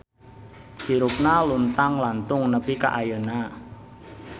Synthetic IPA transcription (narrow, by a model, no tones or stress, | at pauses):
hiɾʊp̚nalunt̪aŋlant̪ʊŋnəpika̰ʔajəna